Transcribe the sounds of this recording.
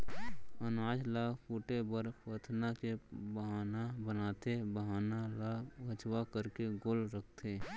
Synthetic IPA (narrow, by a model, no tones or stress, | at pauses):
ənaːd͡ʒlaːkpuːʈebəɾpət̪ʰnakebəɦaːnabənaːt̪ebəɦaːnalaːɡʱət͡ʃwakəɾkeɡoːlɾək̚ʰt̪ʰeː